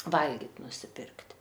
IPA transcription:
ˈʋɐlʲɡʲɪt nʊsʲɪˈpʲɪrktʲ

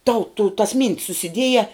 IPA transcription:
tɐʊ tʊ tɐs mʲiːnʲtʲs sʊsʲɪˈdʲiɛjɛ

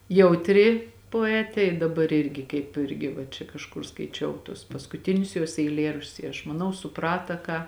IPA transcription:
jɛʊtʲˈrʲɪ poːˈæːtʲeː ɪ dɐˈbɐr ˈɪrʲɡʲɪ kɐɪp ˈɪrʲɡʲɪ ʋɐ t͡ʃʲɛ kɐʃˈkʊr skɐɪˈt͡ʃʲɛʊ tuɔs pɐskʊˈtʲɪnʲʊs juɔs ɛɪˈlʲeːrɐʃʲt͡ʃʲʊs ɪ ɐʃ mɐˈnɐʊ sʊˈprɑːtɐ ˈkɑː

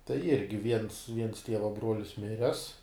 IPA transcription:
tɐɪ ˈɪrʲɡʲɪ ʋʲiɛns ʋʲiɛns ˈtʲiɛʋɐ ˈbruɔlʲɪs ˈmʲɪrʲɛs

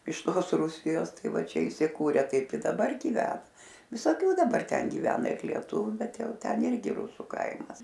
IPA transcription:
ɪʃ ˈtoːs ˈruːsʲɪjoːs ˈtɐɪ ˈʋɐ ˈt͡ʃʲɛ ɪsʲɪˈkuːrʲɛ ˈtɐɪp ɪ dɐˈbɐr ɡʲɪˈʋʲæːnɐ ʋʲɪsoːˈkʲuː dɐˈbɐr ˈtʲɛn ɡʲɪˈʋʲæːnɐ ɪr lʲiɛˈtʊʋʲʊ ˈbʲɛt ˈjɛʊ ˈtʲɛn ˈɪrʲɡʲɪ ˈrʊsʊ ˈkɐɪmɐs

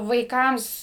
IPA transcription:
ʋɐɪˈkɐms

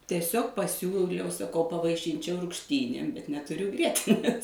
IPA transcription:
tʲiɛˈsʲoːk pɐˈsʲuːlʲɛʊ sɐˈkɐʊ pɐʋɐɪˈʃʲɪnʲt͡ʃʲɛʊ rʊkʃʲˈtʲiːnʲeːm bʲɛt nʲɛtʊˈrʲʊ ˈɡrʲiɛtʲɪnʲeːs

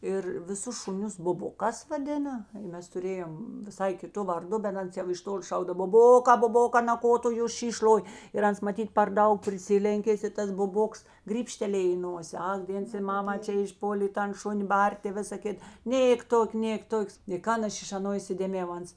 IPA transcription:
ˈɪr ʋʲɪˈsʊs ʃʊˈnʲʊs bʊˈbʊkɑːs ʋɐˈdʲɪnɐ ˈmʲɛs tʊˈrʲeːjoːm ʋʲɪˈsɐɪ kʲɪˈtʊ ʋɐrˈdʊ bʲɛt ˈɐns jɛʊ ɪʃ ˈtoːlʲɪ ˈʃɐʊɡdɐw bʊˈboːkɑː bʊˈboːkɑː nɐ ˈkoː tʊ jʊ ˈʃʲiːʃ ˈlˠoːj ɪr ˈɐns mɐˈtʲiːt pʲɛr ˈdɐʊk pʲrʲɪˈsʲɪlʲɛŋʲkʲeːs ɪ ˈtɐs bʊˈboːks ɡrʲiːpʲˈʃʲtʲæːlʲeːj iː ˈnoːsʲeː ˈɐk ˈdʲeːns ɪ ˈmɑːmɐ ˈt͡ʃʲɛ ɪʃˈpoːlʲeː ɪ ˈtɐn ˈʃʊnʲɪ ˈbɐrʲtʲeː ɪ ˈʋʲɪsɐ ˈkʲɪt ˈnʲeːk ˈtoːkʲ ˈnʲeːk ˈtoːkʲ ɪ ˈkɐn ˈɐʃ ɪʃ ɐˈnoː ɪsʲɪdʲeːˈmʲeːjɛʊ ˈɐns

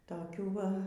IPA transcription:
toːˈkʲuː ˈʋɐ

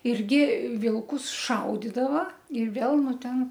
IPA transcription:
ˈɪrʲɡʲɪ ˈʋʲɪlˠkʊs ˈʃɐʊdʲɪdɐʋɐ ɪr ˈʋʲeːlˠ ˈnʊ ˈtʲɛn

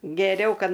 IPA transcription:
ɡʲɛˈrʲɛʊ ˈkɐt

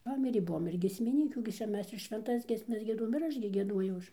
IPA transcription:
ˈpɑːmʲɪrʲeː ˈbʊʋoːm ɪr ɡʲiɛsʲmʲɪˈnʲiːkʲuː ɡʲɪ ˈt͡ʃʲɛ ˈmʲɛs ɪr ʃʲʋʲɛnˈtɐs ɡʲiɛsʲˈmʲɛs ɡʲiɛˈduɔjoːm ɪr ˈɐʃ ɡʲɪ ɡʲiɛˈduɔjɛʊ ˈɐʃ

